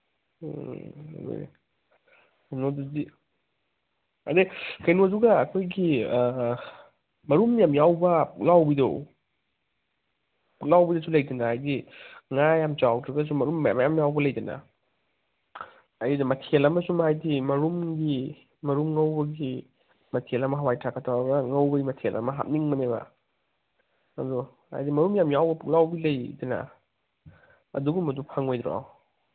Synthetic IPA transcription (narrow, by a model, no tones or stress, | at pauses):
o̰ | kʰajnodudi | ɐ̰dekʰɐjnoduɡɐːkʰojɡi | mɐɾumjamjawbɐlawbido̰w | lawbidosulɐjdɐnaajdiŋajamt͡ʃawtɾɐɡɐs̬umɐɾuma̰mjamjawbɐlɐjdɐnɐ̰ | ɐjidɐmɐtʰelɐmɐsumhajdimɐɾumɡi | mɐɾumŋɐwbɐɡi | mɐtʰelɐmɐɦawajtʰakʰatʰawaɡɾɐŋɐwbɐɡimɐtʰelʔɐ̰mɐɦa̰p̚niŋmɐneba̰ | ɐdu | ha̰jdimɐɾumjamjawbɐpuk̚lawbilɐjdɐnɐ̰ | ɐ̰duɡumɐdupʰaŋojdɾa̰w